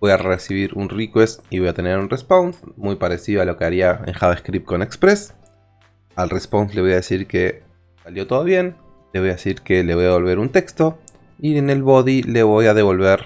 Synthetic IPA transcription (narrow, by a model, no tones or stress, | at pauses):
bojaresiβ̞iɾunrikwest̪iβo̞jat̪e̞ne̞ɾunresponsmujpaɾe̞siðo̞alo̞ke̞aɾiaḛŋxaβeskɾip̪̚ko̞ne̞kspɾe̞s | alresponsle̞βo̞jaðe̞siɾke̞ | saljo̞t̪o̞ðoβje̞n | le̞βo̞jaðesiɾke̞leβo̞jaðe̞o̞lβe̞ɾunt̪e̞kst̪o̞ | iene̞lβo̞ðile̞βo̞jað̞e̞β̞o̞lβe̞ɾ